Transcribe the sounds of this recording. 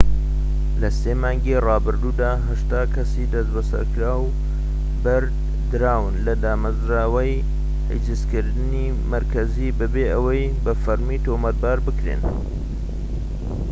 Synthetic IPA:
lɐseːmaːŋɡerɑːbɨɾd̪uːd̪aːɦɐʃt̪aːkʰɐsiːd̪ɐsbɐsɐ̰ɾkɾaːw | bɐɾd̪ | d̪ɨɾaːwɨnlɐd̪aːmɐzɾaːwɐj | hə̰d͡ʒɨskɨɾd̪ɨniː | mɐɾkʰɐzibɨbeːʔɐwɐjbɐfɐɾmiːt̪oːmɐt̪̚baːɾbɨkɾḛn

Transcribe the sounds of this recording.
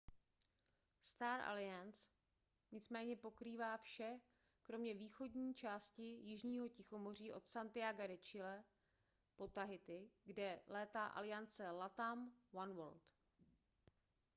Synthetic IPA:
st̪aːɾʔa̰lɪjans | ɲɪt͡smɛːɲɛpo̞kɾiːvaːfʃɛ | kɾo̞mɲɛviːxo̞dɲiːt͡ʃaːscɪjɪʒɲiːɦo̞cɪxo̞mo̞r̝iːʔo̞t̪sant̪ɪaɡaɾɛt͡ʃɪlɛ | po̞t̪aɦɪt̪ɪɡdɛlɛːt̪aːʔa̰lɪjant͡sɛlat̪amwanwolt̪

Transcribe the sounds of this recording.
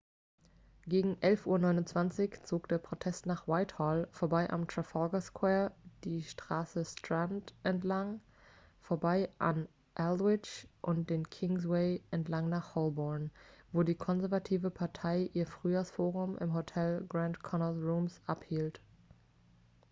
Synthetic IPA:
ɡ̥eːɡŋ̩ʔɛlfʔuːɐnɔʏnʊnt͡sv̥ant͡sɪçt͡soːkd̥eːɐpʁ̥otʰɛstnaːχwaɪthɔːlfoːɐbaɪʔa̰mtʁ̥afɔlɡaskʰwɛːɐd̥iːʃtʁ̥aːsəstʁ̥antʔɛntlaŋ | foːɐbaɪʔa̰n | ʔɛlɪt͡ʃʔʊnt̚d̥eːnkʰɪŋs̬weɪʔɛntlaŋnaːχhɔlbɔɐnvoːdiːkʰɔnzɛɐvatʰiːvəpʰaɐtʰaɪʔiːɐfʁ̥yːjaːsfoːʁʊmʔɪ̰mɦotʰɛlɡʁantkʰɔnəlʁuːmsʔaphiːlt

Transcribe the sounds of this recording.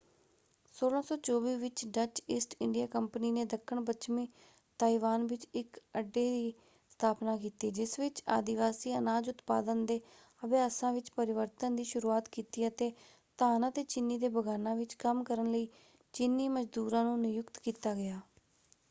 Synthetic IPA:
soːlãːsɔːt͡ʃoːʋiːʋɪt͡ʃɖət͡ʃɪsʈɪɳɖijaːkəmpəniːneːd̪əkʰːəɳbət͡ʃmĩː | t̪aːiʋaːnʋɪt͡ʃɪkəɖːeːd̪iː | st̪ʰaːpnaːkiːt̪eːd͡ʒɪsʋɪt͡ʃa̰ːd̪ɪʋaːsiːənaːd͡ʒʊt̪pa̰ːd̪ənd̪eː | əbeaːsãːʋɪt͡ʃpəɾɪʋəɾt̪ənd̪iːʃʊɾuːaːt̪kiːt̪iːət̪eː | t̪aːnãːt̪eːt͡ʃɪnːiːd̪eːbəɡaːnãːʋɪt͡ʃkəmkəɾənləiː | t͡ʃɪnːiːməd͡ʒd̪uːɾãːnũːnɪjʊkt̪kiːt̪aːɡɪjaː

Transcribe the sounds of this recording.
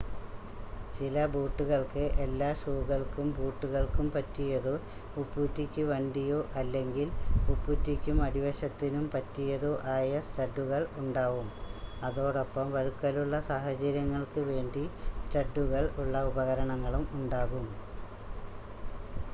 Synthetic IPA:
t͡ɕilɐbuːʈːuɣɐɭkɨʔelːaːʂuːɣɐɭkumbuːʈːuɣɐɭkumpɐtːijɐðɨ | upːutːikʲːuʋɐɳɖijoːʔɐlːe̞ŋɡilupːutːikʲːumɐɽiʋɐɕɐt̪ːinumpɐtːijɐðɨʔaːjɐsʈɐɖːuɣɐɭuɳɖaːʋumɐðo̞ːɽopːɐmʋɐɻukːɐluɭːɐsaːhɐt͡ɕɐɾjɐŋːɐɭkɨʋe̞ːɳɖisʈɐɖːuɣɐɭuɭːɐubɐɣɐɾɐɳɐŋːɐɭumuɳɖaːɣum

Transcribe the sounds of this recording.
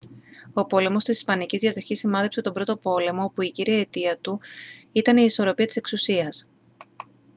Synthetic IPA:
o̞po̞le̞mo̞st̪isispɐnicizðjɐðo̞çisimɐnðepse̞t̪o̞bɾo̞t̪o̞po̞le̞mo̞puiciɾiɐet̪iɐt̪uit̪ɐniːso̞ɾo̞piɐt̪i̥seksusiɐs

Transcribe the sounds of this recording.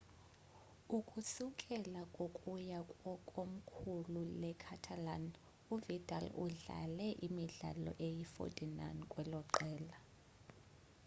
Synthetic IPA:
ukʼusukʼɛlakʼokʼujakʼɔkʼom̩kʰululɛkʰatʰaland | uvitʼalṵɮa̰lɛʔimiɮa̰lɔ̰ʔejifo̰tʼina̰nkʼwɛlɔǃɛːla

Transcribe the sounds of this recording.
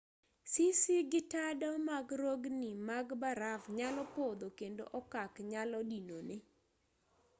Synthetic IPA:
sisiɡɪtadɔmaɡɾoɡnimaɡbaɾavɲalɔpod̪okendo̰ʔɔkakɲalɔdinonɪ

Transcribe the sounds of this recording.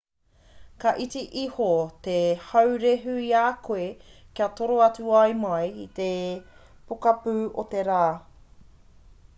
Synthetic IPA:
kɐʔit͡siʔihot̪ehɐwɾeɦʉiaːkoekiɐt̪oɾoɐt͡suɐjmɐjit̪e | pokɐpʉːot̪eɾaː

